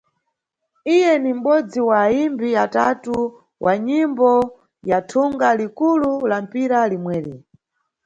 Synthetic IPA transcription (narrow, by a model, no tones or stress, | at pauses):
ijɛnim̩ɓɔd͡ziwaːimbiatatu | wʔaɲimbɔ | jatʰuŋɡalikululam̩piɾalimwɛːli